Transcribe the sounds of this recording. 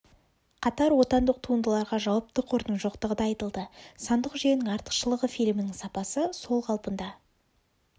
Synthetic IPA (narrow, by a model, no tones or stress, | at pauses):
qʰɑt̪ɑɾwo̞t̪ɑnd̪əq̚t̪ʰuənd̪əlˠɑɾʁɑʒɑwɑp̚t̪əqʰoɾt̪ənʒo̞qt̪əʁəd̪ɑɑjt̪əlˠd̪əsɑnd̪əqʒenɪŋɑɾt̪ə̥qʃəlˠəʁəfilʲmɪnɪŋsɑpɑsəso̞lˠqʰɑlˠpənd̪ɑ